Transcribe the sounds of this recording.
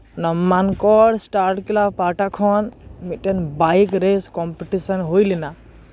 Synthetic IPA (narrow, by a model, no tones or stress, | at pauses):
nɔmːankɔɽsʈaɾʈkilapaʈakʰɔnmiʈenbajkɾeskɔmpeʈisɔnɦojlina